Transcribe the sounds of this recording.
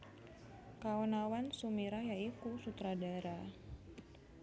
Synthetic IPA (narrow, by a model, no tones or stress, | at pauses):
kawɔnawansumiɾajaikusut̪ɾadaeɾa